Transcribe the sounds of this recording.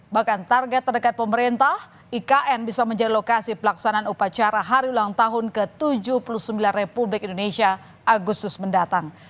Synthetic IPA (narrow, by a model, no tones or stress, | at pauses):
bahkant̪arɡɛt̪ːərdəkat̪̚pəməɾint̪ah | ikaʔɛnbisaməɲd͡ʒadilokasipəlaksanaːnupat͡ʃaɾaɦaɾiulaŋt̪aɦʊnkət̪ud͡ʒupulusəmbilanrepublɪkindonesia | aɡust̪ʊsməndat̪aŋ